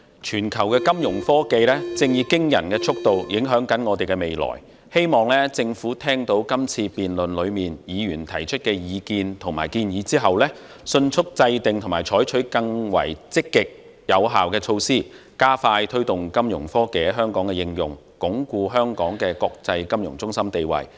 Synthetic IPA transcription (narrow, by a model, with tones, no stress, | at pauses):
t͡ʃʰyː˨˩nkʰɐ˨˩wkɛː˧kɐ˥mjʊ˨˩ŋfɔː˥ke˧jlɛː˥t͡sɪ˧ŋjiː˧kɪ˥ŋjɐ̰˨˩nkɛː˧t͡sʰʊ˥k̚t̪o˨wjɪ˨˥ŋɦœː˨˥ŋkɐ˨˥nŋɔː˨˧t̪e˨jkɛ˧me˨˩jlɔ̰ː˨˩j | he˥jmɔː˨ŋlɛː˥t͡sɪ˧ŋfuː˨˥t̪ʰɛː˥ŋt̪o˨˥wkɐ˥mt͡sʰiː˧piː˨nlɵ˨nlɵ˨˧ɥmiː˨njiː˨˧jyː˨˩nt̪ʰɐ˨˩jt͡ʃʰɵ˥t̚kɛː˧jiː˨˧kiː˧nt̪ʰʊ˨˩ŋmaː˨˩jkiː˧njiː˨˧˥t͡siː˥ɦɐ˨wlɛː˥ | sɵ˧nt͡sʰʊ˥k̚t͡sɐ˧jt̪ɪ˨ŋt̪ʰŋmaː˨˩jt͡ʃʰɔː˨˥jt͡ʃʰɵ˨˥ɥkɐ˧ŋwɐ̰˨˩jt͡sɪ˥kːɪ˨k̚ | jɐ˨˧wɦaː˨wkɛː˧t͡ʃʰo˧wsiː˥ | kaː˥faː˧jt̪ʰɵ˥ɥt̪ʊ˨ŋkɐ˥mjʊ˨˩ŋfɔː˥kɛː˨˥ɦœː˥ŋkɔː˨˥ŋkɛ˧jɪ˧ŋjʊ̰˨˩ŋ | kʊ˨˥ŋkuː˧ɦœː˥ŋkɔː˨˥ŋkɛː˧kɔː˧k̚t͡sɐ˧jkɐ˥mjʊ˨˩ŋt͡sʊ˥ŋsɐ˥mt̪e˨jwɐ̰˨˩j